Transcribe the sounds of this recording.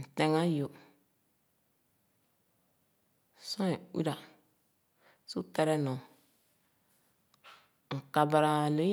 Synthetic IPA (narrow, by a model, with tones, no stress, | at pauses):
n̩˨te˨ŋa˦jo˨ | sõ˦e˨wḭ˦ɾa˨ | su˦tɛ˨ɾɛ˦nõ˨ | ŋ̩˨ka˨ba˨ɾa˨lo˦j